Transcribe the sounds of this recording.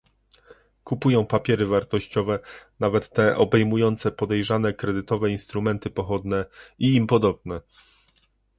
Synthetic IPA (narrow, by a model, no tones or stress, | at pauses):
kupujɔ̃w̃papʲjɛɾɘvaɾt̪ɔɕt͡ɕɔvɛnavɛt̪ːɛʔɔbɛjmujɔnt̪sɛpɔd̪ɛjʐanɛkɾɛd̪ɘt̪ɔvɛinst̪ɾumɛnt̪ɘpɔxɔd̪nɛiːmpɔd̪ɔb̚nɛ